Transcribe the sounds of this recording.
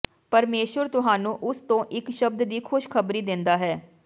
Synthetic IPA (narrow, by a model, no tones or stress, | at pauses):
pəɾmeːʃʋəɾt̪ʊɦaːnũːʔʊst̪õːʔɪkʃəb̚d̪d̪iːkʰʊʃkʰəbɾiːd̪ɪ̃nd̪aːɦɛː